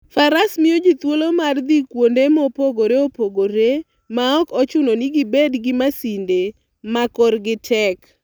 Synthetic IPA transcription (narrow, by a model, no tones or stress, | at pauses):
faɾasmiod͡ʒit̪wolomard̪ikwondemopoɡoɾeopoɡoɾe | maɔkɔt͡ʃʊnoniɡibedɡɪmasinde | makɔrɡɪtʰɛk